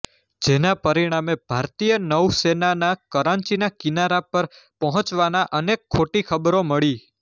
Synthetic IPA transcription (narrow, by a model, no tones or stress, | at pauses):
d͡ʒenapəɾiɽ̃amebʱaɾt̪ijənəwsenanakəɾãnt͡ʃinakinaɾapəɾpəɦɔ̃t͡ʃʋanaʔənekʰːoʈikʰəbɾoməɭi